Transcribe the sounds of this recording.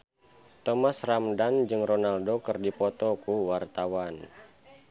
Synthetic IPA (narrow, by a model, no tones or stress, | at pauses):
t̪ɔmasramdand͡ʒɨŋrɔnaldokɨrdipɔt̪ɔkuwart̪awan